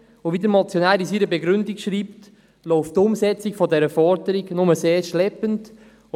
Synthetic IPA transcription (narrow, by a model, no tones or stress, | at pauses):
oviːdəɾmɑt͡sjonaːlisiɾəbeɡɾʏndɪkʃɾiːpt | loʊftʊmsɛt͡sɪkfodɛɾəfɔɾdəɾiɡnʊməseːɹʃlɛpənt